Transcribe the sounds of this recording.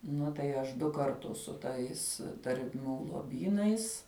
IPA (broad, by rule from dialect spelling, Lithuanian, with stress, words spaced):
ˈnʊ tɐɪ ˈɐʃ ˈdʊ kɐrˈtʊs sʊ ˈtɐɪs tɐrʲˈmʲuː lˠoːˈbʲiːnɐɪs